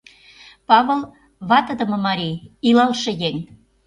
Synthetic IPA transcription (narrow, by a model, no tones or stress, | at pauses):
pɑβə̆l | βɑt̪əd̪ə̆mɤ̆mɑɾʲiilɑlʃĕjeŋ